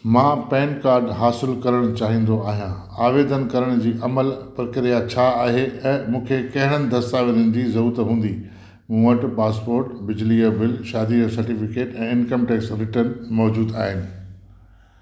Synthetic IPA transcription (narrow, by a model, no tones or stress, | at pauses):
mãːpɛ̃ːnkaːɾɖɦaːsɪlkɐɾəɽ̃ʊt͡ɕaːɦĩːn̆d̪oaːɦijã | aːʋeːd̪ənkɐɾəɽ̃d͡ʑiːʔɐməlpɾɐkɾijat͡ɕʰaaːɦeɛ̃ːmũːkʰekɐɦɪɽ̃ənɪ̆d̪ʱɐst̪aːʋeɾənɪ̆d͡ʑiːzɐuːt̪ɦũːn̆d̪i | mũːʋəʈpaːspoːɾʈbɪd͡ʑliəbɪlʃaːd̪iːəsɐɾʈɪfɪkeːʈɛ̃ːɪnkəmʈeːksɾɪʈəɾnmɔːd͡ʑuːd̪aːɦɪnɪ̆